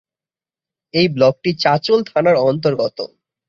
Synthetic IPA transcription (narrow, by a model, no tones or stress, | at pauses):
ejblɔk̚ʈit͡ɕat͡ɕolt̪ʰanaɾɔnt̪̬oɾɡɔt̪o̰